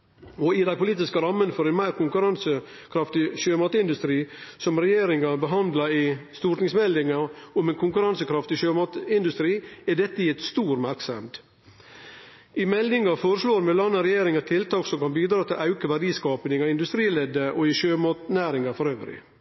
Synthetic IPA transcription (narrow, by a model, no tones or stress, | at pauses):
ɔɪd̪æɪpʊliːt̪ɪskəɾɑmːənfɔɾɛɪnmæɪɾkʊŋkʉɾɑnsə | kʰɾɑft̪ɪʃøːmɑːt̪ɪnd̪ʉst̪ɾiːsɔmɾɛjeːɾɪŋɑbəɦɑnd̪lɑɪst̪uːʈ̪nɪŋsmɛlːɪŋɑɾʊmɛnkʰʊŋkʉɾɑnsəkɾɑft̪ɪʃøːmɑt̪ɪnd̪ʉst̪ɾiːæɖɛt̪ːəjɛt̪st̪uːɾmæɾksɛmd̪ | ɪmɛlnɪŋɑfoːɾəʂloːɾmɛlɑnːəɾɛjeːɾɪŋət̪ʰɪlt̪ʰɑːksɔmkɑnbiːd̪ɾɑːt̪ʰɪlʔɑʉkəʋædiːskɑːpnɪŋɑɪnd̪ʉst̪ɾiːlɛd̪əʔɔɪʃøːmɑːt̪næːɾɪŋɑfɔɾøːʋɾɪ̰